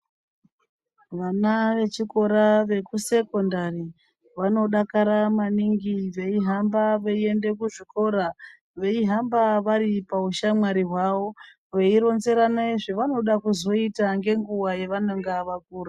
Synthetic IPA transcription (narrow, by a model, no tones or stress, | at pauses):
ʋanaʋe̞t͡ʃiko̞ɾaʋe̞kuse̞ko̞ndari | ʋano̞ɗakaɾamaniŋɡiʋe̞iɦambaʋeie̞nde̞kuʐiko̞ɾa | ʋe̞iɦambaʋaɾipauʃamwaɾiɦwawo̞ | ʋe̞iɾo̞nzeɾanaiʐiʋano̞ɗakuzo̞itaŋɡe̞ŋɡuwajeʋaneŋɡaʋak̚uːra